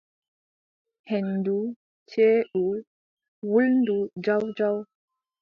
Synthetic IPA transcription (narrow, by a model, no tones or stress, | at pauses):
hɛndu | t͡ʃeːɗu | wulndud͡ʒawd͡ʒaw